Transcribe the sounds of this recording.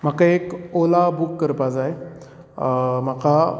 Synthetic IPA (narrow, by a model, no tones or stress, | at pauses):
m̤akaekolabukːəɾpad͡zaj | m̤aka